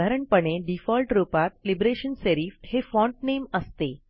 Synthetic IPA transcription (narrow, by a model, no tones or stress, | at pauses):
aɾəɳpəɳeɖifɔlʈɾupat̪̚libɾeɕənseɾifhefɔ̃ɳʈ̚neməst̪e